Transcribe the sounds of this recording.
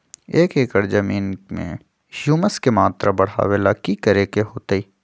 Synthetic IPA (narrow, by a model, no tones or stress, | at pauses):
eːkeːkəɾd͡ʒəmiːnmḛ̃ | ʃuməskemaːt̪ɾabɐɽ̤a̰ːwelakikəɾeːkeɦoːt̪eiː